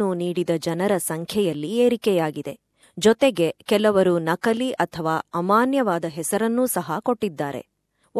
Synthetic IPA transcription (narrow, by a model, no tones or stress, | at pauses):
uniːɽid̪ɐd͡ʒɐnɐɾɐsɐŋkʰjɐjɐlːieːɾikɛjaːɡid̪e̞ | d͡ʒɔt̪eɡe̞kɛlɐʋɐɾunɐkɐliʔɐt̪ʰɐʋaːɐmaːnjɐʋaːd̪ɐɦɛsɐɾɐnːuːsɐɦɐko̞ʈːid̪ːaːɾḛ